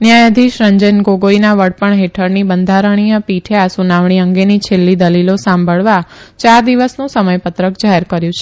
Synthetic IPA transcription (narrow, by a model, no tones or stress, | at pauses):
njajəd̪ʱiʃɾəɲd͡ʒənɡoɡoinaʋəɽpəɳɦeʈʰəɾnibənd̪ʱaɾəɳ̃ijəpiʈʰeasunaʋɳiəŋɡenit͡ʃʰelːid̪əlilosãmbʱəɭʋat͡ʃaɾd̪iʋəsnũsəməjpət̪ɾəkd͡ʒaɦeɾkəɾjũt͡ʃʰe